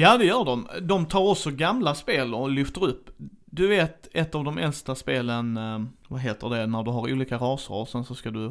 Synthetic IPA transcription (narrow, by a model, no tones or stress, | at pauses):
jaːd̪ɛjœːɖɔmd̪ɔmt̪ʰɑːɾɔksɔɡamlaspeːlɔlʏft̪əɾɵpː | d̪ɵveːt̪ɛt̪ːavd̪ɔmɛlst̪aspeːlənvaɦeːt̪əɖɛnæɖɵɦaɾṵːliːkaɾɑːsə̰ɾɔsɛnsɔskad̪ɵ